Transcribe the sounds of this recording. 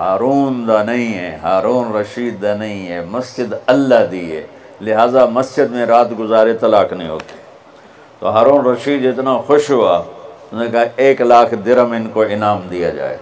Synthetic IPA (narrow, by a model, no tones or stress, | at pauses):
haːɾuːnd̪aːnɐɦĩɦeːɦaːɾuːnɾɐʃiːd̪ːaːnɐĩɦeːmɐsd͡ʒɪd̪ɐlːad̪iːɦḛː | lɪɦaːzamɐsd͡ʒɪd̪mẽɾaːt̪ɡʊzaːɾet̪ɐlaːknɐḭ̃ɦo̰ːt̪e̥ː | t̪o̰ːɦaːɾuːnɾɐʃiːd̪ɪt̪naxʊʃɦoaːʊnẽkaeːklaːkʰd̪ɪɾəmɪnkoɪnaːmd̪ija̰d͡ʒa̰ːḛː